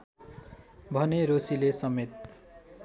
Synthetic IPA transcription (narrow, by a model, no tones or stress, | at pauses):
bʱʌneɾosilesʌmet̪̚